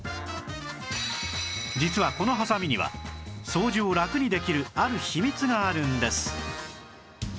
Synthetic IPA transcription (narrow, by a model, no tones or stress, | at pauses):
d͡ʑit͡sɨβako̞no̞ɦasamʲiɲ̟iβa̰so̞ːʑioɾakɯ̟ɲ̟id̪e̞kʲiɾɯ̟aɾɯ̟çimʲit͡sɨɡaːɾɯ̟̃nd̪e̞sɨ̥